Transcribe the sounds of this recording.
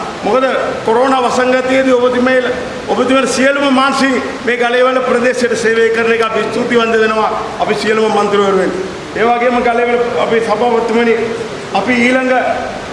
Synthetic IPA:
mɔkɐðɐkoɾoːnaːʋɐsɐŋɡɐt̪ːiɐðiobɐt̪ːimɐjɐl | obɐt̪ːimɐlsijɐlumɐmaːnsiŋ | meːɡɐlɐjʋɐlɐpɾɐd̪eːsɐɐʈːɐseːʋejkːɐɾɐnekːɐpːist̪ut̪ːiʋɐnd̪ɐðɐnɐʋaːɐpːisijɐlumɐmɐnt̪iɾɨʋɐɾuʋen | eːʋaːɡijɐmɐɡɐlɐjʋɐlɐpːisɐbaʋɐt̪ːumɐni | ɐpːiiːlɐŋɡɐ

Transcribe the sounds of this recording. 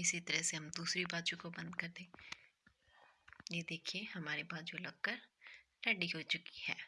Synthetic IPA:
ɪsit̪ɐɾəseɦɐmd̪uːsɾibaːd͡ʒukobɐ̃nd̪kɐɾd̪ẽː | jed̪eːkʰiehɐmaːɾebaːd͡ʒulɐɡ̚kəɾʈɛɖiɦot͡ʃʊki̥hɛː

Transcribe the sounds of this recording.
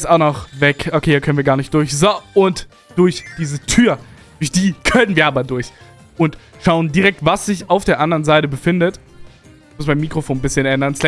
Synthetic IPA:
saʊnɔχvɛkʔokʰeːiɐkʰœnənviɐɡaɐnɪçt̚d̥ʊɐçzoʊnt | d̥ʊɐçd̥iːzətʰyːɐ | d̥ʊɐçd̥iːkʰœnənviːɐʔaːbɐdʊɐç | ʔʊntʃaʊəndiʁɛk̚tv̥asz̥ɪçaʊfd̥eːɐʔandəʁənzaɪtəbəfɪndət | mʊsb̥aɪmːiːkʁ̥ofoːnbɪsçənʔɛndɐnslɛ

